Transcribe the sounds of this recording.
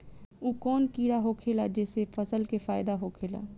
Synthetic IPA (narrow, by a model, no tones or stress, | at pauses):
uːkɔːnkiːɽaɦokʰeːlad͡ʒɛːsefʰəsəlkefaːɪd̪aɦokʰeːla̰ː